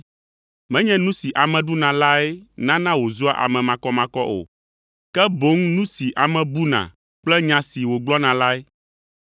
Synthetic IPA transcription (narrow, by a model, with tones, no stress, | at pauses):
mɛ̃˦ɲɛ̃˦nũ˦si˨ʔa˨mɛ̃˨ɖu˦nã˨la˦ɛ˦nã˦nã˦wo˨zu˦a̰˦ʔa̰˨mɛ̃˨mã˨kɔ˦mã˨kɔ˦ʔo̰˨ | kɛ˦bo˦ŋnũ˦si˨ʔa˨mɛ̃˨bu˦nã̰˨ | k͡plɛ˦ɲã˨si˨wo˨ɡ͡blɔ˦nã˨la˦e˦